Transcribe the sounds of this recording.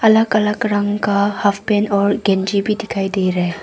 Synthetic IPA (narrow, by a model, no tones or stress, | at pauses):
ɐlakɐlakɾaŋkahapʰpenɔɾɡend͡ʒibidikʰajd̪ejɾe